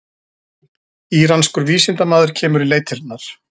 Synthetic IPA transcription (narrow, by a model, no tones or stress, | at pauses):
iːɾanskʏɾviːsɪnt̪amaːðʏɾ̥cʰɛːmʏɾileːjt̪ʰɪɾnaɾ̥